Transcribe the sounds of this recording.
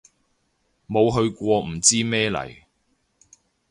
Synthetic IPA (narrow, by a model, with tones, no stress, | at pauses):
mo˨˧wɦɵ˧ɥkʷɔː˧m̩˨˩t͡siː˥mɛː˥lɐ̰˨˩j